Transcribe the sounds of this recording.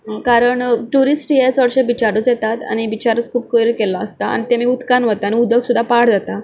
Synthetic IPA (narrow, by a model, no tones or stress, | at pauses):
ɦkaɾəɳʈuɾisʈjet͡sɔɽɕẽbit͡ɕaɾut͡sjɛt̪at̪a̰ñiʋit͡ɕaɾət͡skʰuːp̚kəɾkelaəst̪aa̰nit̪emiud̪kanʋət̪añiud̪ʱəksud̪ʱːapaɽ̤d͡zat̪a